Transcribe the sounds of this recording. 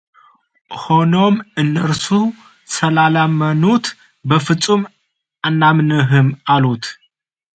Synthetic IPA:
ho̞no̞mɨnːəɾsu | səlalamːənut̪ | bəfɨt͡sʼːum | anːamnɨɦɨmalut̪

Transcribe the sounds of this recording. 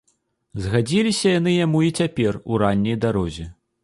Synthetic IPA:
zɣad͡zʲilʲisʲɐjanɨjamuit͡sʲapʲɛruɾanʲːɐjd̪aɾɔzʲɛ

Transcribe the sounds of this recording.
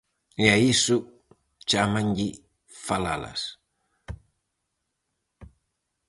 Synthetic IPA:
jaisu | t͡ʃamaɲɟi | fala̰la̰s

